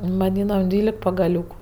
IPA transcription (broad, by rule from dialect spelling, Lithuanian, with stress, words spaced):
ʋɐˈdʲiːnɐm ˈdʲʋʲiːlʲɛk pɐɡɐˈlʲuːkʊ